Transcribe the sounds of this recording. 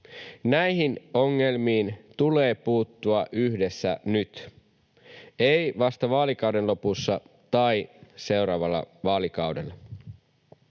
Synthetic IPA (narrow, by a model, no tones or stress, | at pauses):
næjɦino̞ŋːe̞lmiːnt̪ule̞ːpuːt̪ːuɑʔyçde̞sːæ̰nyt̪ | e̞jʋɑst̪ɑʋɑːlikɑwde̞nlo̞pusːɑt̪ɑjse̞wɾɑːʋɑlːɑ̰ʋɑːlikɑwde̞lːɑ